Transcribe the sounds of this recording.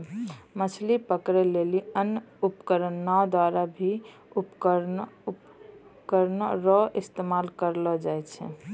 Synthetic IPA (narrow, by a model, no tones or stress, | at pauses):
mət͡ʃʰlipəkɾɛleliənupkəɾənːad̪waɾabʱi | upkəɾup | kəɾnɾɔʔist̪emalkəɾlɔd͡ʒajt͡ʃʰɛ̰